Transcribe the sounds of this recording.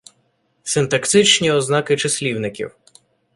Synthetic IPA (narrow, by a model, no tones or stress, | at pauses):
sɪnt̪ɐkt̪ɪt͡ʃnʲiɔznɑkɪt͡ʃɐsʲlʲiwnɪkʲḭw